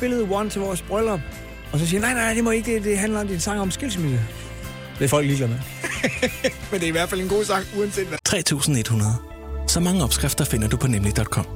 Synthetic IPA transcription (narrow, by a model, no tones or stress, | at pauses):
b̥e̝ləð̩ˠwɒnt͡sʰe̝ʋɒsb̥ʁœlɒb̥ | ɒ̽s̬ɒsiːɐnɑ̈ɪnɑ̈nɪd̥e̝mɒ̽eɡ̥d̥ed̥e̝ɦænlɐɒ̽md̥insɑ̈ŋ̰ɒ̽msɡ̥elsmid̥ə | ʋ̥efɒ̽l̰ɡ̥liːɡ̥læme | mend̥e̝ɐiʋæɐdfæle̝nɡ̥o̝̰ːsɑ̈ŋ̰uɐnse̝̰ːd̥ʋt͡sʰʁɛ̰ːt͡sʰṵːsn̩e̝d̥hunɐð̞̩ˠ | sɒ̽mɑ̈ŋəɒ̽b̥sɡ̥ʁɛfd̥ɐfe̝n̰ɐd̥upʰɒ̽nemlid̥ɒ̽d̥kʰɒ̽m̰